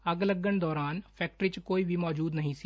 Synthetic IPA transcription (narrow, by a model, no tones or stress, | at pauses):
ɐɡləɡənd̪ɔːɾaːnpʰɛːk̚ʈɾiːt͡ʃkoːibʱimɔːd͡ʒuːd̪nəɦĩːsi